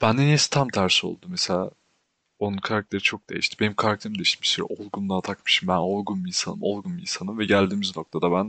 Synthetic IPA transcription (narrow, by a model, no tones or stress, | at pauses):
b̥ænd̪enesi̥t̪ʰamt̪ʰæɾsio̞̰lˠd̪umeselʲa̰ː | o̞nunkʰaɾak̚t̪ʰe̞ɾit͡ʃʰo̞k̚d̪ejiʃt̪ʰibe̞nimkʰaɾak̚t̪ʰeɾimd̪eiʃt̪ʰimbi̥ʃsyɾɛ̰ʔolˠɡunlˠat̪ʰakmɯʃimbæno̞lˠɡunminsanɯ̰mo̞lˠɡunmḭnsanɯmvɛɟælʲd̪iːmizno̞k̚t̪ʰad̪abæn